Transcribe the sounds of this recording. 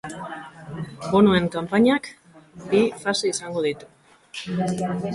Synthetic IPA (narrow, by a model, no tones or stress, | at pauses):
ɡunue̞ŋkampaɲak | bifaseisaŋɡo̞ð̞it̪u̥